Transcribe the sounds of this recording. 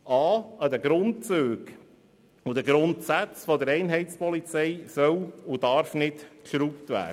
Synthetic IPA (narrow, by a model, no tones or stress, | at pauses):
ʔɑːəd̪əɡɾʊntt͡søːɡ | ʊd̥̪əɡɾʊntsæt͡sfɔd̪əɾɛɪnɦɛɪtt͡spɔlit͡sɛɪsœwʊdɑɾfnɪtkʃɾuptʋæ̰ː